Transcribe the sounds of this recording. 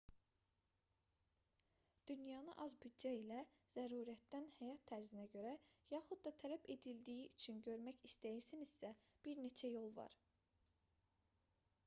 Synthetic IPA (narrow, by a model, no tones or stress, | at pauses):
d̪̥ynjɑːnɯ̰ʔɑzbyd̪d͡ʒɑilæz̥æɾuːɾæt̪d̪ænhæjɑt̪ʰːæɾzinæɟø̞ɾæjɑxud̪̚d̪ɑt̪ʰælæbe̞d̪ild̪ijiyt͡ʃʰynɟø̞ɾmæçist̪ʰæjiɾsiniz̥sæ | b̥iɾne̞t͡ʃʰæjo̞lˠvɑ̰ɾ̥